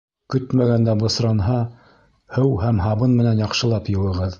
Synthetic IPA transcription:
kɵt̪mæɡænd̪æbŏsɾɑnɦɑ | hɘwhæmɦɑβɤnmɘ̆nænjɑqʃɤ̆lˠɑpjɤ̆wˠɤ̆ʁɤð

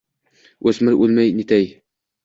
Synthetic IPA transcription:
ɵsmɘɾʉlmæjnit̪æj

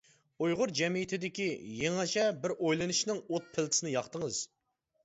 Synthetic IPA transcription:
ujʁʊɾd͡ʒɛmijit̪ʰɪd̪ɪkʲijeŋɛt͡ʃʰɛbɪɾojlˠɨnɨʃnɨŋot̪̚pʰɪlˠt̪ɪ̥sɪnɨjɑχt̪əŋəz̥

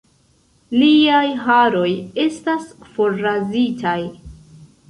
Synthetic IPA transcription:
liajɦaɾo̞je̞stasfo̞ɾːazitʰaj

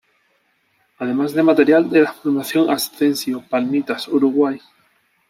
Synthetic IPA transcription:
að̞e̞mazðemat̪eɾjald̪elafuɾmaθjoŋast̪ensjiopalmit̪asuɾuɣwaj

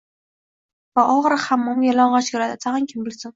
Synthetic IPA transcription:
vaʔɒʁɾχamːɒmjalɒɴʁaʃɡʲaɾat̪at̪ʰaʁankʲʰɪmbɪlsɪn

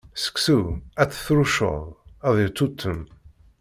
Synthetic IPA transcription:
sə̥ksuæt͡sːə̥θɾuʃə̰ðˤæðˤit̪ːut̪ʰːəm

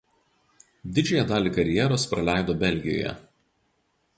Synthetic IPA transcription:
d̪ʲɪd͡ʒʲoːjɛd̪ɑːlʲiːˑkɐɾʲjɛːɾoːspɾɐlʲæˑɪd̪oːbʲɛlʲɡʲɪjo̰ːjɛ̰

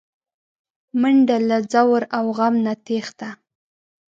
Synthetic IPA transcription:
məɳɖalazawɾawɣamnat̪ext̪a

